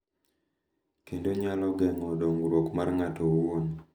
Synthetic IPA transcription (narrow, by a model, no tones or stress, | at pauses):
kendoɲalɔɡɛŋɔdoŋɡɾwokmarŋatowon